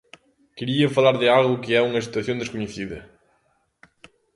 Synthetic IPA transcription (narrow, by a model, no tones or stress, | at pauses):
keɾiɐfɐlaɾðɪalˠɣʊkɪɛuŋɐsi̥t̪wɐθjõnd̪eʃkuɲeθiðɐ